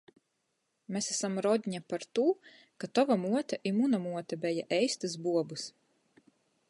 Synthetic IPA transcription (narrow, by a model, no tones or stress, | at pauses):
mesæsamɾɔd̪ʲɲapaɾt̪uː | kat̪ɔvamuɔt̪ʲɛʔimunamuɔt̪ʲɛbɛjaʔɛjst̪ɨzbuɔbus